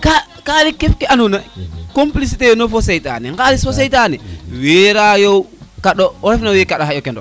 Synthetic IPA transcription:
ka | kalikːefkeanunakomplis̬itenofosejta̰niŋɡalisfos̬ejtaniweɾajowkaɗoɾɛfnawekaɗoɦaokendo

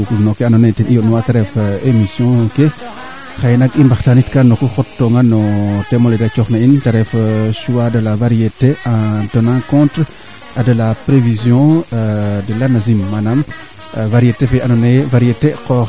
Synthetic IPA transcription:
ukunokeanonetinijonwataɾɛfemisjɔ̃ke | xajnaɡimbaxtanitkanokuxɔtːɔŋɡanɔtɛmoledat͡ʃɔxnaintaɾɛfʃuwadəlavaɾijeteãtənãkɔ̃ntɾ | adəlapɾevizjɔ̃ | dəlanazimːanam | vaɾijetefeanɔnevaɾijetekɔ

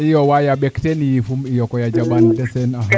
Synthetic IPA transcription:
ijɔwajaɓɛktɛnijifumijɔkɔjad͡ʒabandɛsɛna

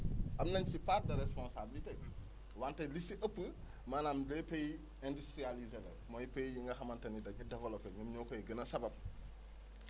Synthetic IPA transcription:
ʔɐmnɐɲsipaːt̚dɐɾɛspɔnsabilite | wantɐlisiʔəpːə | maːnaːmdɛpej | ɛndustɾializɛlɛ̰ | mɔjpejjiŋɡɐxɐmɐntɐnidɐɟɐdɛvɛlɔpːɛɲɐmɲɔːkɔjiɡənɐsɐbɐp̚

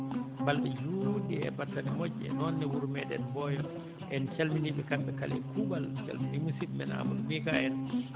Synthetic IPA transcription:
balɗɛjudɛɛ̰batːanimɔɟːɛ̰nɔnːɛwuɾumɛɗɛ̰nbɔjɔ | ʔɛnt͡ʃalminiɓɛkamɓɛkalɛ̰kubalt͡ʃa̰lminimusiɗmɛna̰mulmikaɛn

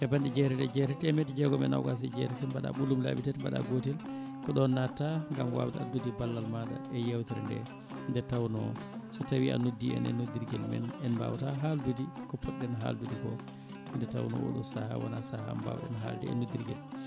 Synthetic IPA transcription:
tɛbanɗid͡ʒɛɾɛdɛd͡ʒɛtɛtɛmetid͡ʒɛɡɔmɛna̰wɡas̬ɛd͡ʒɛɾɛtɛbaɗa̰ɓulːumla̰ɓitɛtbaɗa̰ɡotɛl | kɔɗɔnːatːaŋɡamwa̰wtadudibalːalmaɗa̰ɛjawtiɾɛndɛ̰ | ndɛtawnɔsɔtawiʔa̰nodːiɛ̰nɛnudiɾɡɛlmɛ̰nɛnba̰wtaɦaldudikɔpːɔɗːɛnɦa̰ldudikɔ | ndɛta̰wnɔ̰ʔo̰ɗṵsahawɔ̰nasahamba̰wɗɛ̰nɦaldɛ̰ɛ̰nud̪iɾɡɛl

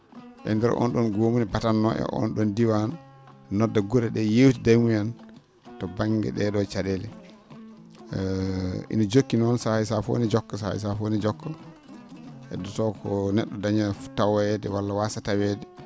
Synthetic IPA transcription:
ʔɛ̰ndɛɾ̰ʔɔ̰nɗɔnɡomunibatanːɔɛ̰ʔɔ̰nɗɔndiwannɔdːaɡɔɾɛɗɛjewtidajmujan | tɔbaŋɡɛ̰ɗɛɗɔt͡ʃaɗelɛ | ʔḭnɔd͡ʒokːinɔnsajsafo̰nid͡ʒɔkːɔsa̰js̬afonid͡ʒɔkːɔ | ʔɛ̰dɔtɔkʰɔnɛɗːɔdaɲaftːawajɛdɛwalːawasatawɛdɛ

